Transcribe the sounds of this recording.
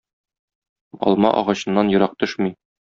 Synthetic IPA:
ɒ̰lˠmɑ̰ʔɒ̰ʁɑɕɤ̆nːɑnjɤ̆ɾɑq̚t̪ɵʃmi

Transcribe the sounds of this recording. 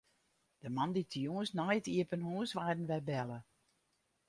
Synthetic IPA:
d̥əmanditʰəjoəsnajtiəpənɦuəsʋaːdənʋɛjbɛlˠə

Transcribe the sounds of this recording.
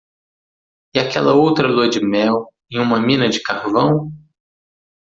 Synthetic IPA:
ɪakɛlɐowt̪ɾɐlod͡ʒɪmɛw | ẽj̃ũmɐmĩnɐd͡ʒɪkaɾvɐ̃w̃

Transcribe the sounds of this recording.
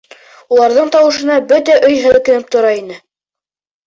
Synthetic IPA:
ulˠɑɾðɤɴt̪ɑwɤ̆ʃɤ̆nɑbɵt̪æʔɵjɦɘ̆lɘ̆kɘ̆nɘp̚t̪ŏɾɑinɘ

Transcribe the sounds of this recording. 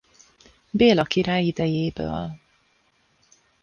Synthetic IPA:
beːlɒkiɾaːjid̪ɛjeːbø̰ːl

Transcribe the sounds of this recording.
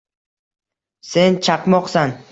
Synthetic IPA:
se̞nt͡ʃʰaqmɒqsan

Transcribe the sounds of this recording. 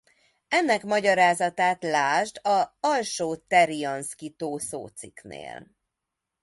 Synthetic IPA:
ɛnːɛkmɒɟɒɾaːzɒt̪aːt̪laːʒd̪ɒɒlʃoːt̪ɛɾiɒnskit̪oːso̰ːt̪siknḛːl

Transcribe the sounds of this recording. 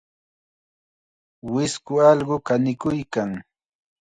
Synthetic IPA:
wɪskʊɑlɢʊkanɪkʊjkaŋ

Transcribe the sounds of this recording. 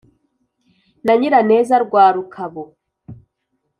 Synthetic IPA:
naɲiɾane̞ːzaɾɡwaːɾukʰaβo

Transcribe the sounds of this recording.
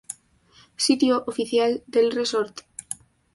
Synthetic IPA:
sit̪joʔofiθjald̪elresoɾt̪

